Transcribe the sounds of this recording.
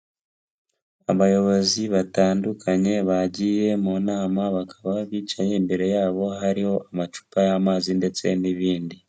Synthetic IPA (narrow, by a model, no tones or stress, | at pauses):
a̰βajo̞βo̞ziβataːndukʰaɲe̞βaɟiːje̞monaːmaβakʰaβaβiːt͡ʃaɲe̞mbe̞ɾe̞jaːβo̞ɦaɾiho̞ʔamat͡ʃu̥pajamaːzinde̞t͡se̞niβiːndi